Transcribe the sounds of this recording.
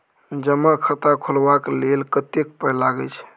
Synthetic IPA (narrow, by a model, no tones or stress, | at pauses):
d͡ʒəmːakʰət̪akʰolbaklelkət̪ekpəlaɡət͡ʃʰ